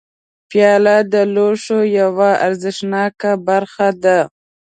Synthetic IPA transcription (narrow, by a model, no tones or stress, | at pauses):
pjɑlad̪əloʂojawaa̰ɾzɪʂnɑkabaɾxad̪a